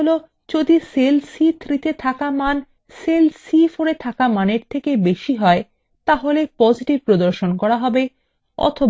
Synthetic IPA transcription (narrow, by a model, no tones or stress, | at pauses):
olo | d͡ʑod̪iselsit̪ʰɾit̪et̪ʰakaman | selsifoɾet̪ʰakamaneɾt̪ʰekebeʃiɦɔe | t̪aɦolepɔd͡ʑiʈib̚pɾod̪oɾʃonkɔɾaɦɔbe | ɔ̰t̪ʰob